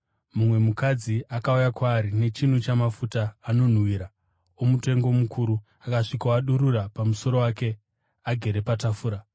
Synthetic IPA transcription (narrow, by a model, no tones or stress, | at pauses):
mumwe̞mukad͡ziʔakaujakwaːɾine̞t͡ʃin̤ut͡ʃamafutaːno̞n̤wiːɾa | omute̞ŋɡo̞mukʰuɾu | akaʂikawaɗuɾurapamuso̞ɾo̞waːke̞ | aɡʱe̞ɾe̞patafuːɾa